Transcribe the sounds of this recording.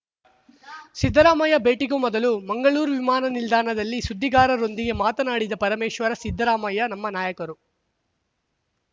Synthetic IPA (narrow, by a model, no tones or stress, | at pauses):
sid̪ʱːɐɾaːmɐjɐbeːʈikumɔd̪ɐlumɐŋɡɐɭuːɾuʋimaːnɐnild̪ʱaːnɐd̪ɐlːisud̪ʱːiɡaːɾɐɾo̞nd̪iɡe̞maːt̪ɐnaːɽid̪ɐpɐɾɐmeːʃʋɐɾɐsid̪ʱːɐɾaːmɐjɐnɐmːɐnaːjɐkɐɾu